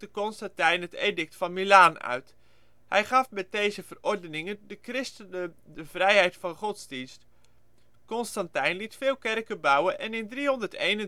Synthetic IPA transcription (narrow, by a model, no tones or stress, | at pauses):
dəkɔnstatɛjnɦətedɪk̚tfɑnmilaːnœ̰ɥt | hɛjχɑfmɛt̚dejzəvərɔrdənɪŋəndəkrɪstənədəvrɛjɦɛjtfɑnχɔtsdinst | kɔnstɑntɛjnlitfɪːlˠkɛrkəbɑwəʔɛnɪndriɦɔndərtejnə